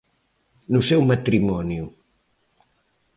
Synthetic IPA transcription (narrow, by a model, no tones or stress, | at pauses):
nusɛwmɐt̪ɾimɔnju